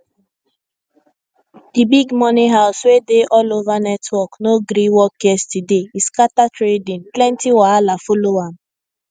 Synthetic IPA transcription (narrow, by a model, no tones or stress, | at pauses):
d̥ibiɡmɔniɦaʊswedeʔɔlovanɛtʰwɔknoɡɾiwɔkɛstideiskatatɾedĩnplɛntiwalafolowan̩